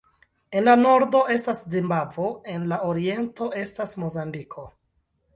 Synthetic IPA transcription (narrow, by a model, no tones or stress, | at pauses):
e̞nlano̞ɾdo̞e̞staszimbavo̞e̞nlaoɾie̞nto̞e̞stasmo̞zambikʰo̞